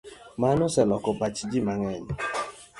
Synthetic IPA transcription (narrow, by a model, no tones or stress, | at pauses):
manʊsɛlɔkɔpat͡ʃid͡ʒimaŋɛɲ